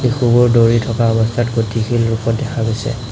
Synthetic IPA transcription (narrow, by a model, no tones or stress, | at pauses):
bixubɔɹdoɹitʰɔkaɔbɔstʰatɡotʰixʰilɹupɔtdɛkʰaɡojsɛ̰